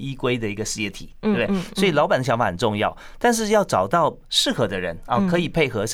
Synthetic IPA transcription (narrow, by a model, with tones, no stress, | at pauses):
i˦˥kwe˥ɪd̪ə˨i˧˥ɡə˧ʂ̩˥jɛ˧˥˩t̪ʰḭ˨˩˦bd̪e˥˩swɔ˧˥i˨˩lɑ˧˥ʊpa˨˩nd̪ə˧ɕjɑ˧˥ŋfa˧˩xə˨˩nʈ͡ʂʊ˥˧ŋjɑ˥˩ʊ | t̪a˥˧nʂ̬ɻ̩˥˧jɑ˥˩ʊʈ͡ʂɑ˨˩ʊt̪ɑ˥˩ʊ | ʂɻ̩˥˩xɤ˧˥d̪ə˧ɻə̰˧˥nɔ˥˩kʰɤ˧˥i˨˩pʰe˥˩ɪxɤ˧˥ʂ